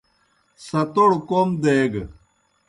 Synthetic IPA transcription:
sɐt̪oɽkomd̪eːɡ

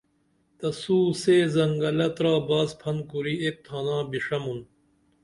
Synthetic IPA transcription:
t̪ɐsuːseːzɐŋɡɐlɐt̪ɾaːbaːzpʰɐnkuɾiːek̚t̪ʰaːnãːbiʂɐmun

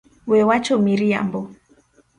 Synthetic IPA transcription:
wɛwat͡ʃɔmiɾia̰mbɔ

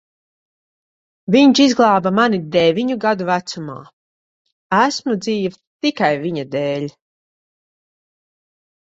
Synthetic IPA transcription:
viɲt͡ʃizɡlˠɑːbamanid̪ɛvʲiɲuɡad̪uvæt̪suma̰ː | æsmud̪ziːv | t̪ikajviɲad̪eːlʲ

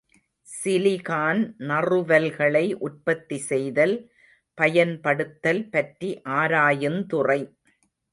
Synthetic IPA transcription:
sɪlɪɣaːnnɐrɯʋɐlɣɐɭɐɪʔʊʈ̚pɐt̪ːisɛjðɐl | pɐjɐnpɐɽɯt̪ːɐlpɐʈriʔaːɾaːjɯmt̪ʊrɐɪ

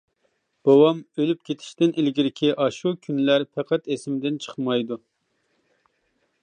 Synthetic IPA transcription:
b̥ɑwɑmølyp̚kʲet̪ʰɪ̥ʃt̪ɪnʔɪlɡʲiɾɪkʲʰiʔɑʃukʲʰynlæɾpʰɛqʰæt̪esɪmɪd̪ɪnt͡ʃʰə̥χmɑjd̪u

